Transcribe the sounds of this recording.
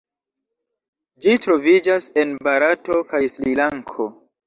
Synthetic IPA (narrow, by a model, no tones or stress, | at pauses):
d͡ʒitɾo̞vid͡ʒase̞nbaɾato̞kajslilaŋkʰo̞